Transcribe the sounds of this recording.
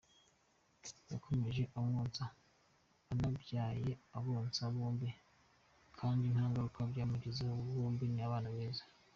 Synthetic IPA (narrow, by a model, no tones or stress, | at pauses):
jakʰo̞me̞ʒe̞ʔamŋoːnt͡saː | nabɟaːje̞aβoːnt͡saβoːmbi | kʰaːndinhaːŋɡaɾukʰabɟaːmuɟizaβoːmbiniaβaːnaβeːzḁ